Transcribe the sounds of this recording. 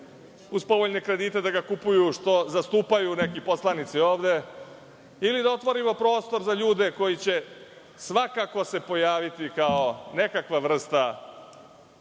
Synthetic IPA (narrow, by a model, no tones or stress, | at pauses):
uspo̞ʋoʎne̞kɾe̞d̪it̪e̞d̪aɡakupujuʃt̪o̞zast̪uːpajune̞kipo̞slˠanit̪sio̞ːʋd̪e̞ | ilid̪ao̞t̪ʋo̞ɾimopɾo̞ːst̪o̞ɾzaʎuːd̪e̞ko̞jit͡ɕe̞ | sʋakako̞se̞po̞jaːʋit̪ikao̞ne̞kakʋaʋr̩st̪a